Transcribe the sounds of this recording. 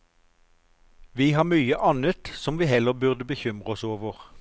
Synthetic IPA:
ʋiːhɑːʁmyːəʔɑnət̪sɔmʋiːhɛləʁbʉʁd̪əbəçʏmʁəɔsoːʋəʁ

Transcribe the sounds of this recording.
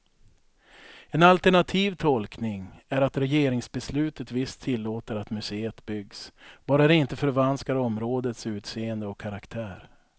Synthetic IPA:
ɛnalt̪ɛɳat̪ʰiːvt̪ʰɔlknɪŋæɾat̪ɾɛjeːɾɪŋsbɛslʉ̟ːt̪ət̪vɪst̪ʰːɪlːoːt̪əɾat̪mɵseːət̪bʏɡsb̥ɑːɾad̪ɛɪnt̪əfœɾvanskaɾɔmɾoːd̪ət̪sʉ̟ːt̪seːənd̪əɔkʰːaɾakt̪ʰæːɾ

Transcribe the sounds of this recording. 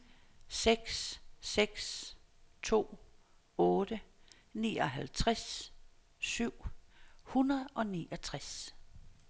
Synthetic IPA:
seɡ̥sseɡ̥s | t͡sʰo̝̰ː | ɔːd̥ə | nḭːɒ̽ɦælt͡sʰʁas | syʊ̰hunɐð̩ˠɒ̽niːʔɒ̽t͡sʰʁas

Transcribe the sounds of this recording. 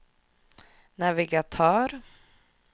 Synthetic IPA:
næɾvɪɡat̪ʰɑːɾ

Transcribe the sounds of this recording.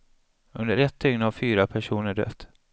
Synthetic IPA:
ɵnd̪əɾɛt̪ʰːʏŋnavfyːɾapʰæʂuːnəɖœ̰t̪ː

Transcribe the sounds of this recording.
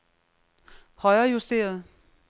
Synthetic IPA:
hɒ̽ɪɐːjusd̥e̝̰ːɐð̞ˠ

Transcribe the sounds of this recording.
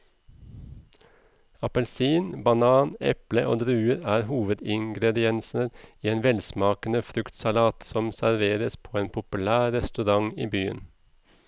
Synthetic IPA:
ɑpɛlsiːnbɑnɑːnɛ̰pləʔo̰ːd̪ɾʉːəɾæːɾhuːʋəd̪ɪŋɡɾɛd̪ɪɛnsnəɾiːeːnʋɛlsmɑːkənəfɾʉkt̪sɑlɑːt̪sɔmsæɾʋeːɾəspʰoːeːnpʰʊpʉlæːɾɛst̪ʉɾɑŋḭːbyːə̰n

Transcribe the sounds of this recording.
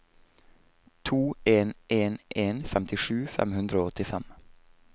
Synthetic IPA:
t̪ʰuːeːnʔeːnʔeːnfɛmt̪ʰɪʂʉːfɛ̰mhʉnd̪ɾəoːɔt̪ɪfɛm

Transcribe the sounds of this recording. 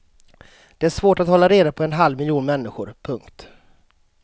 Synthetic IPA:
d̪̥ɛæʂvoːʈat̪hɔlːaɾeːd̪apʰɔɛnɦalvmɪljuːnmɛnːɪɧʊɾpʰɵŋkt̪

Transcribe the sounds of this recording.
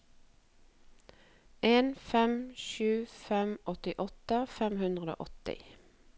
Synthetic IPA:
eːnfɛmʃʉːfɛmʔɔt̪ɪʔɔt̪əfɛmhʉnd̪ʁəd̪o̰ːʔɔt̪ɪ̰

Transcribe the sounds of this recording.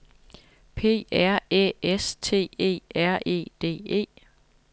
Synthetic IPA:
pʰe̝̰ːæɐ̰ḛːest͡sʰe̝̰ːe̝̰ːæɐ̰ʔe̝̰ːd̥e̝̰ːe̝̰ː

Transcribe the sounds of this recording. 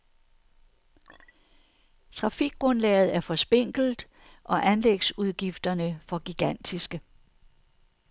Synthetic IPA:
t͡sʰʁɑ̈fiɡ̥̚ɡ̥ʁɔ̽nlɛ̰ːɪð̞̩ˠæɐfɒ̽sb̥e̝ŋ̰ɡ̥l̩d̥ | ʔɒ̽ʔænleɡ̥suð̞ˠɡ̥ifd̥ɐnəfɒ̽ɡ̥iɡ̥æn̰d̥isɡ̥ə

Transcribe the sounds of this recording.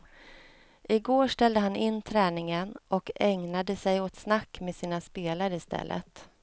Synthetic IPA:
ʔɪɡoːʂʈɛld̪əɦanɪnːt̪ʰɾɛːnɪŋənʔɔkɛŋnad̪əsɛjɔt̪snakːmeːsiːnaspeːlaɾəɪst̪ɛ̰lːʔə̰t̪

